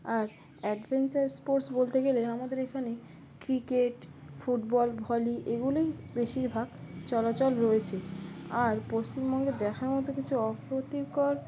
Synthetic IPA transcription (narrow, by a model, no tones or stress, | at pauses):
aɾ | ɛɖbʱent͡ɕaɾspoɾsbolt̪eɡeleamad̪eɾekʰane | kɾikeʈ | fuʈbɔlbʱɔliʔeɡulojbeʃiɾbʱaɡt͡ɕɔlat͡ɕolɾoet͡ɕʰeaɾpost͡ɕimbɔŋɡed̪ɛkʰaɾmɔt̪okit͡ɕʰuɔkɾot̪ikɔɾ